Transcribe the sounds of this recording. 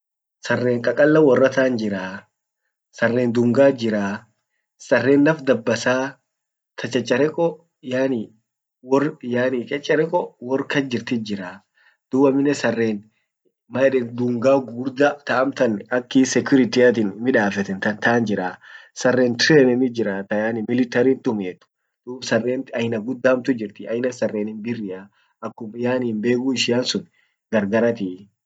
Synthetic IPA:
sɐrːeːŋkʼɐkʼɐlːɐwɔrːɐt̪aːnd͡ʒɪɾaː | sɐrːeːnd̪ʊŋɡaːd͡ʒɪɾaː | sɐrːeːnːɐfd̪ɐbːɐsaː | t̪ʰɐt͡ʃʼɛt͡ʃʼːɐɾɛkʼɔ | jaːni | wɔrjaːnit͡ʃʼɛt͡ʃʼːɐɾɛkʼɔwɔrkɐd͡ʒɪɾt̪ɪd͡ʒɪɾaː | d̪̥ʊːbɐmɪnːɛsɐrːeːn | mɐɛᶑɛnd̪uːŋɡaːɡuːɾd̪at̪ɐʔɐmt̪ɐnɐkːisɛkʊɾɪt̪ɪjɐt̪ɪnmɪᶑaːfɛt̪ɛnt̪ɐnt̪aːnd͡ʒɪɾaːsɐrːeːnt̪ɾeːnɛnɪd͡ʒɪɾaːt̪ɐjaːnɪmɪlɪt̪ɐɾiːnt̪ʼʊmeːt̪ːʊ̥ | d̪̥uːbsɐrːeːnɐjɪnɐɡʊd̪ːaːmt̪ʊd͡ʒɪɾt̪ɪɐjɪnɐsɐrːeːnɪnbɪrːɪʔa | ʔɐkːʊmjaːnːnbe̞ːɡuɪʃɪjaːnsʊn | ɡɐɾɡɐɾɐt̪i

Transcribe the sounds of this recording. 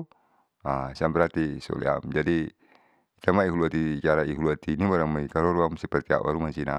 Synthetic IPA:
asiambɛɾat̪isɔ̰lḭa̰md͡ʒadi | k̪amaiɦuluat̪it͡ʃaɾaiɦuluat̪inimaɾaŋmaikaloɾuamsɛpɛrt̪ia̰ʔwa̰ɾumansina

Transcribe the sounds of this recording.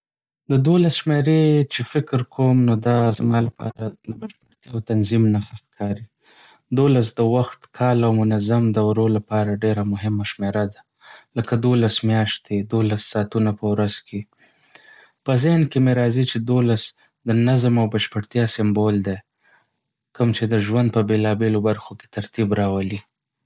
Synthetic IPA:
d̪əd̪olasʃmeɾet͡ʃefɪkɾkʰomnod̪ɑzamɑlapɑ̰ɾad̪əbaʃpəɽt̪jaːwt̪anzimnaxaxkʰɑɾi | d̪olas̬d̪əwaxt̪kʰɑlawmʊnazamd̪əawɾolapɑɾaɖeɾamʊɦɪmaʃmeɾad̪a | ləkad̪olasmjɑʃt̪ed̪olasːɑt̪unapəwɾazkʰe | pəzenkemeɾɑzit͡ʃed̪olas | d̪ənazmawbaʃpəɽt̪jɑsɪmbold̪e | kəmt͡ʃed̪əʒwand̪̚pəbelɑbelobaɾxoke̥t̪aɾt̪ibɾɑwali

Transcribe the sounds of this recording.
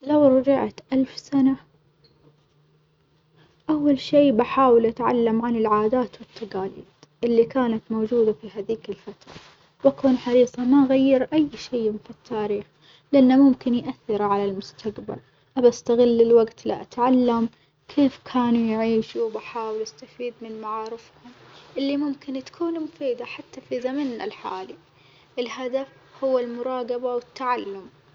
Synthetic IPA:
lawɾˤɑd͡ʒɪʕt̪ʔalfsana | ʔawːalʃiːbaħaːwɪlʔat̪ʕa̰lːamʕanɪlʕaːd̪aːt̪wɪt̪ːaɡaːlḭːd̪̥ʔɪlːikaːnat̪moːd͡ʒuːd̪afiɦaːðiːkɪlfat̪ɾˤɑ̰ | wʔakuːnħɑɾiːsˤɑmaʔɣajːɪɾʔajːʃiːfit̪ːaːɾiːx | lɪʔanːamʊmkɪnjʔaθːɪɾʕalalmʊst̪ʰaqba̰l | ʔabast̪aɣɪlːɪlwaɡt̪lɪ̰ʔat̪ʕalːam | kʰeːfkʰaːnujʕiːʃuwbaħaːwɪlʔast̪afiːd̪mɪnmaʕaːɾɪfhʊmʔɪlːimʊmkɪnt̪kʰuːnumʊfiːd̪aħat̪ːafizamanalħa̰ːli | ʔɪlhad̪afhʊwːalmʊɾˤɑːɡɑbawɪt̪ːaʕalːʊm

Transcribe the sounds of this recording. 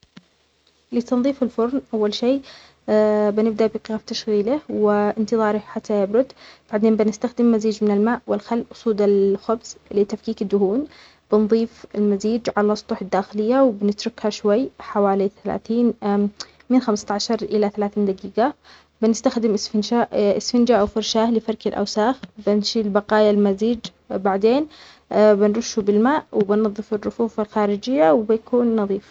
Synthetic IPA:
liːt̪ɑnðˤiːfɪlfʊɾnʔawːalʃeː | bɪnɪb̚d̪aʔbiqɪɣaft̪aʃɣiːlɪhwɪɪnt̪ɨðˤɑːɾiħat̪ʰːajɪbɾʊd̪b̥aʕd̪eːnbɪnɪst̪axd̪ɪmːaziːd͡ʒmɪnɪlmaːʔwɪlxalːʔʊsˤuːd̪ɪlxʊbz̥lɪt̪afkiːkɪd̪ːʊhuːn | b̥ɪnðˤiːfɪlmaziːd͡ʒʕalsˤt̪ˤuːħɪd̪ːaːxɪlɪjːawɪbɪnɪt̪ɾʊkhaʃwajːħawaːliθala̰ːθiːn | mɪnxamst̪ʕaʃɑɾˤʔɪlaθalaːθiːnd̪aɡiːɡa | bɪnɪst̪axd̪ɪmʔɪsfɪnʃaʔɪ̰sfɪnd͡ʒaʔawfʊɾˤʃaːhlɪfɑɾˤkɪlʔa̰wsaːxbɪnʃilbɑqɑːjalmaziːd͡ʒ | baʕd̪eːn | bɪnɾʊʃːubɪlmaːʔwɪbɪnɑðˤːɨfɪrːʊfuːfɪlxaːɾɪd͡ʒɪjːawbɪjakuːnːɑðˤiːf

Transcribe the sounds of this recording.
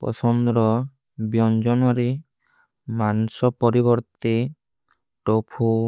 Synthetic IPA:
pɔ̰sɔnd̪ɾɔ | bjɔnd͡ʒɔnuaɾi | manusɔpɔɾiβɔɾt̪i | ʈopʰu

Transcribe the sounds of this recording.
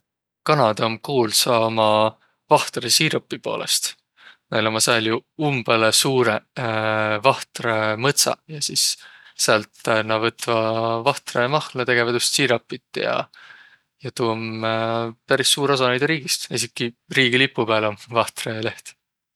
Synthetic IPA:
kɑnɑd̪ɑmkuːlsɑːmɑ | vɑht̪resiːɾɑpːˑipo̞̰ːlʔḛst̪ | nejlomɑsɑljuumb̥elesuːɾe | vɑht̪remɤt̪sɑ̰jɑsissælt̪nɑvɤt̪vɑvɑht̪remɑhlet̪e̞ɡ̥e̞vɑt̪just̪siːɾɑpːit̪ˑːjɑ̰ | jɑt̪um | pæɾisːuːɾosɑnejd̪̥ɾiːɡ̥ist̪isikːˑiriːɡilipːupæːlomvɑht̪rele̞ht̪

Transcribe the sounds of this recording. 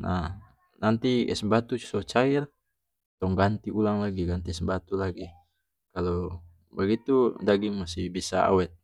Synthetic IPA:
nʔa | nant̪iɛ̰səmbat̪ut͡ʃsot͡ʃaɪr | t̪ɔŋɡant̪iulaŋlaɡiɡant̪isəmbat̪ulaɡi | kalo | baɡit̪udaɡɪŋmasɪhbisa̰a̰wɛt̪̚

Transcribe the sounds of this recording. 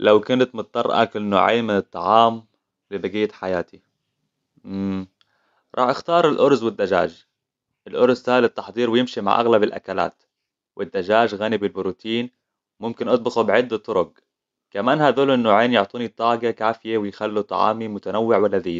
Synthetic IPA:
lawkʊnat̪mʊt̪̚t̪ˤːɑrˤɑ̰ʔɑ̰kʔɪnːo̰ːʕḛːnmɪnɨt̪ˤːɑ̰ʕɑːm | lɪbaɡɪjːaħajaːt̪i | ɾˤʔɑːħʔɪxt̪ɑːɾˤɪlʔʊɾzwɪd̪ːad͡ʒa̰ːʒ | ʔɪlʔʊɾzt̪aːlɪt̪ːɑħd̪ˤiːɾwɪjɪmʃima̰ʕʔa̰ɣlabɪlʔa̰kala̰ːt̪ | wʔɪd̪ːad͡ʒaːʒɣaːnɪbɪlbʊɾuːt̪iːn | mʊmkɪnʔɑt̪̚ˤbɪɣubʕɪd̪ːat̪ˤːʊɾʊɡ̚ | kamaːnhad̪uːlʔɪnːoːʕeːnjʊʕt̪ˤiːnit̪ˤːɑːɡakaːfɪjewɪjxalːut̪ˤɑ̰ʕɑ̰ːmimʊt̪anawːɪʕwalːaðiː

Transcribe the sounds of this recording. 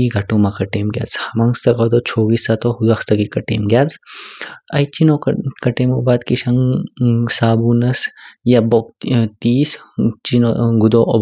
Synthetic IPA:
iɡʱɐʈõːmakɐʈeːmɡʲja̰ːt͡shɐmɐŋst̪ɐkɐd̪ot͡ʃʰoːɡisat̪ohud̪ɐkst̪ɐkikɐʈḛːmɡjaːt͡s | ɐjt͡ʃinokɐʈeːmobaːd̪kiʃɐŋɡsaːbuːnɐsjabok̚t̪iːst͡ʃinoɡud̪oʔɔb

